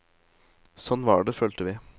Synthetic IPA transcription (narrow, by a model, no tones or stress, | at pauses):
sɔnːʋɑ̰ːɖɛføːlt̪əʋɪː